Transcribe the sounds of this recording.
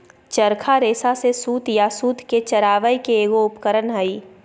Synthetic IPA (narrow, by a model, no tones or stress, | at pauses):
t͡ʃəɾkʰaɾeːsasesuːt̪jasuːt̪ket͡ʃɐɾaːʋəjikeeːɡoʊpkəɾənɦɐiː